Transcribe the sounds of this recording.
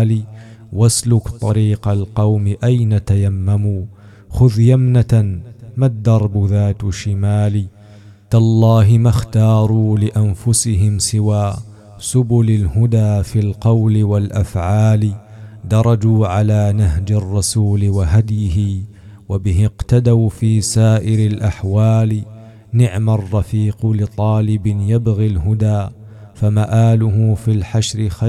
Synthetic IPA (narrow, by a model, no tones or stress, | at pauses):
liː | waslʊkt̪ˤɑɾiːqalqɑwmɪʔajnat̪ajamːamuː | xʊðjamnat̪amad̪ːɑɾˤbʊðaːt̪ʃɪmaːliː | t̪alˤːɑːɦɪmaxt̪ɑːɾˤuːlɪʔanfʊsɪɦɪmsɪwaː | sʊbʊlalhʊd̪aːfiːlqɑwlɪwalʔafʕaːlɪ | d̪ɑɾˤɑd͡ʒuːʕalaːnaɦd͡ʒɪrˤːɑsuːlɪwaɦad̪jɪɦɪ | wabɪɦɪqt̪ad̪awfiːsaːʔɪɾalʔaħwaːl | nɪʕmarˤːɑfiːqlɪt̪ˤɑːlɪbɪnjabɣilɦʊd̪aː | famaʔaːlʊɦʊfilħaʃɾɪxa